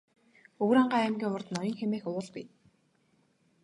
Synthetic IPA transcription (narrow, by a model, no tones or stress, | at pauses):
ɵɣɾaːɴɢaːæmɡʲiːŋʊrt̪nɔjɞ̆ŋxemeːxʊwʊːɮpḭː